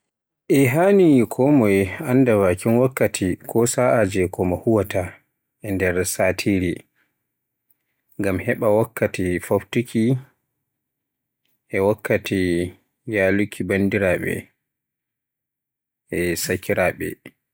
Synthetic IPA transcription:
ʔɛɦanikʰɔmɔjanːdawakinwakːatʰikʰɔsaʔad͡ʒɛkɔmahuwata | ʔɛndɛɾsatʰiɾi | ŋɡamhɛɓawakːatifobtukʰi | ʔɛwakːati | jalukʰibandiɾaɓɛ̰ | ɛsakʰiɾaɓɛ̰

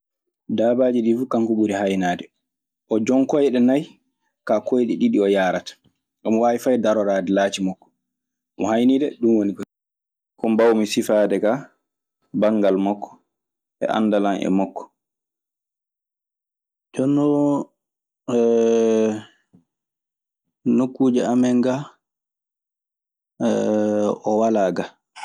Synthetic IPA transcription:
daːbaːd͡ʒiɗifukaŋkuɓuɾiɦajnaːdɛ | ʔɔd͡ʒɔŋkɔjɛɗɛnaj | kakojɗiɗiɗiɔjaːɾatḁ | ʔɔmɔwaːʔifajdaɾɔɾaːdɛlaːt͡ʃimɔkːɔ̥ | ɔmɔhajnidɛɗumwonikɔ | kɔmbawmisifaːdɛka | baŋɡalmɔkːɔ̥ | ʔɛ̰ʔa̰ndalanʔɛ̰mɔkːɔ̥ | d͡ʒɔnɔ | nokːuːd͡ʒɛamɛŋɡa | ɔwalaːɡa

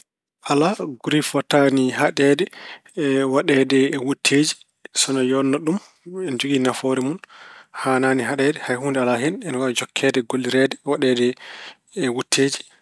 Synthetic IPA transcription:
ʔalaɡuɾifɔtaniɦaɗɛːdɛ | waɗɛdɛwutʰːeːd͡ʒi̥ | sɔnɔjɔnːɔɗum | ɛnd͡ʒuɡinafoɾɛmunhaːnaːniɦaɗɛːdɛhajhuːndɛalaɦɛnɛnwad͡ʒɔkʰːɛːdɛɡolːiɾɛdɛwaɗɛːdɛ | wutʰːeːd͡ʒi̥

